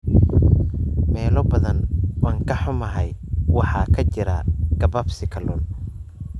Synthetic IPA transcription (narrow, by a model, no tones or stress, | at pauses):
mɛːlɔbɐðɐnwɑːŋkʰɐħʊmɐɦɛjwɑħɑːkʰɐt͡ʃɪɾɐ̰ɡ̥ɐbɐbsɪkʰɐlʊl